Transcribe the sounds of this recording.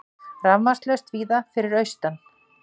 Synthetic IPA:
ravmast̪lɛst̪viːðafɪɾɪɾœɥst̪an

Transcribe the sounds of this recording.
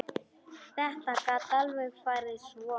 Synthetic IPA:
t̪ɛht̪akat̪alwɛfaɾeswɔ

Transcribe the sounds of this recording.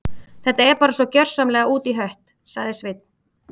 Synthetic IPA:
θɛht̪aɛɾpaːɾasvɔcœr̥samlɛɣauːt̪iɦœɥht̪ | saɣðɪsvɪt̪̚n̥

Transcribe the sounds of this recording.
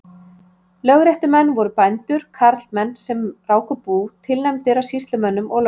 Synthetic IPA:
lœɣɾɛht̪ʏmɛnːvɔɾʏpajnt̪ʏɾ̥kʰaɾt̪lmɛnːsɛmraːwkʏpuːt̪ʰɪlnɛmt̪ɪɾawsist̪lʏmɛnːʏmɔɣl

